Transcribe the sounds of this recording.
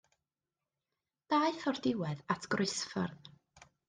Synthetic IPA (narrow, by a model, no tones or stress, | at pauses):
d̥aɨθɔrdɪwɛðatʰɡ̥rʊɨsfə̰rð